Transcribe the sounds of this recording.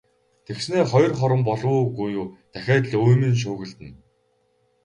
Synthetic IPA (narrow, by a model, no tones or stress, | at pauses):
t̪ʰeksneːχɔjɞ̆rχɔɾə̆mpɔɮʊːɡujuːt̪æxʲæːt̪ɮujmɘ̆nʃ̬ʊːɣɘ̆ɮt̪ɘ̆n